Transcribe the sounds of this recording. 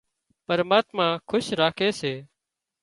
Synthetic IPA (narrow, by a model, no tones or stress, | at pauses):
pəɾmaːt̪mãːkʰʊʃɾaːkʰeːseː